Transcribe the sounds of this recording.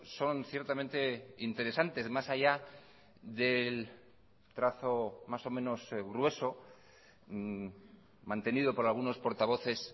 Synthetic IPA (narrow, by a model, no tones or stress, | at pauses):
so̞nθje̞ɾt̪ament̪e̞int̪e̞ɾe̞sant̪e̞zmasaʝa | ðe̞l | t̪ɾaθo̞maso̞mẽno̞sɣɾwe̞so̞ | mãnt̪e̞niðo̞po̞ɾalɣ̞uno̞spo̞ɾt̪aβ̞o̞θe̞s